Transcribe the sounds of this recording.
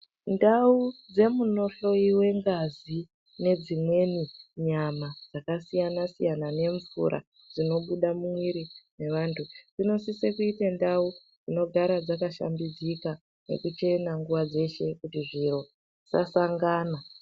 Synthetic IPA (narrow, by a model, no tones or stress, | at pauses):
ndaud͡ze̞muno̞ɬo̞iwe̞ŋɡazi | ne̞d͡zimwe̞niɲamad͡zakasijanasijanane̞ɱfṵɾʔa̰ | d͡zino̞ɓuɗamumwiɾine̞ʋaːntʰud͡zino̞sisekuitendau | d͡zino̞ɡʱaɾad͡zakaʃa̰mbid͡zika | ne̞̰kut͡ʃe̞naŋɡuʋad͡ze̞ʃe̞kutiʐiɾo̞ | sa̰saŋɡaːna